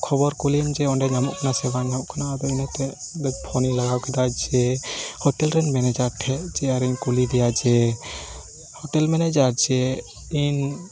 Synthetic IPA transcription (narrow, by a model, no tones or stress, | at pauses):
kʰɔbɔɾkulind͡ʒɛɔnɖɛɲamɔʔkanasɛbaɲamɔʔkʰanaad̪ɔinɛt̪ɛ | ɔɖɛd͡ʒ̚pʰɔnilaɡawkʰɛd̪ad͡ʒɛhɔʈɛlɾɛnmɛnɛd͡ʒaɾʈʰɛʔd͡ʒɛaɾɛɲkulid̪ijad͡ʒɛ | hɔʈɛlmɛnɛd͡ʒaɾd͡ʒɛ | in